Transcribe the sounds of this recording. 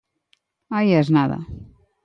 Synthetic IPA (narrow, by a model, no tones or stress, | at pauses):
ajɛznaðɐ̰